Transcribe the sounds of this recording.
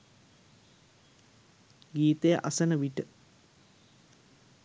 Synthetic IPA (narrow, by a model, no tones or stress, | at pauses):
ɡiːt̪ejəʔasənəʋiʈə